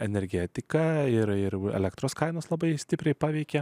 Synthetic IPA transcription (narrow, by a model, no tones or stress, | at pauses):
ɛnʲɛɾʲɡʲɛːt̪ʲɪkɑɪɾɪɾɛ̰lʲɛkt̪ɾoːskɐɪnoːslˠɐbɐɪsʲt̪ʲɪpʲɾʲɛɪpɑːʋʲɛɪkʲɛ